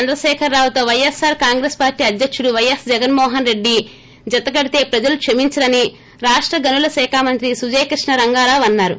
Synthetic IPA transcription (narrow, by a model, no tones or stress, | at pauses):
ɐnd̪ɾɐʃɛːkʰɐɾːaːwut̪o̞ːʋɐjɐsːaːɾkaːŋɡɾeːspaːɾʈiːɐd̪jɐkʂuɽuʋɐjɐsd͡ʒɛɡɐnmɔːɦɐnɾe̞ɖːi | d͡ʒɐt̪ɐɡɐɽit̪e̞ːpɾɐd͡ʒɐlukʂɐmiɲt͡ʃɐlɐni | ɾaːʂʈɾɐɡɐnulɐsɛːkʰaːmɐnt̪ɾisud͡ʒeːkɾiʂɳɐɾɐŋɡaːɾaːʋɐnːaːɾu